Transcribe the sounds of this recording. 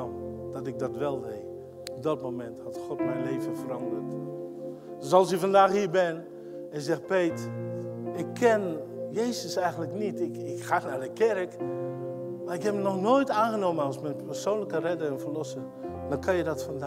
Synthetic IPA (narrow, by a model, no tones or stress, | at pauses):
dɔtɪk̚dɔtʋɛlˠdeː | ɔp̚dɔtmomɛnthɑtxɔtmɛjnleːvənfərɑndərt | døsɑlˠsifandaːxhiːɹbɪn | ɛnzɛxpeːt | ɪkʰːɛnjeːzəsɛjɣəntləknitɪkɪkxaːnardəkɛrk | maːɪkhɛpmənɔxnoːjtaːnɣənoːmənɑlˠsmɛnpərsoːnləkərɛdəɛnfərlɔsən | d̥ɔnkʰɑnjədɔtfnd